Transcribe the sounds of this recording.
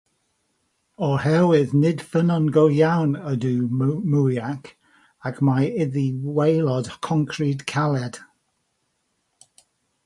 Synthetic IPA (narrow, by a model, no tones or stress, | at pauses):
ɔhɛwɪðnɪd̥fənɔnɡowjawnəduːmujakʰ | akʰmajɪðiwejlˠɔd̥kʰɔ̃ŋkʰridkʰalˠɛd̥